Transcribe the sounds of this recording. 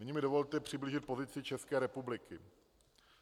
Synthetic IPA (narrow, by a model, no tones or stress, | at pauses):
ɲɪmɪdo̞vo̞lt̪ɛpr̝̥ɪbliʒɪt̪̚po̞zɪt͡sɪt͡ʃɛskɛːɾɛpublɪkʰɪ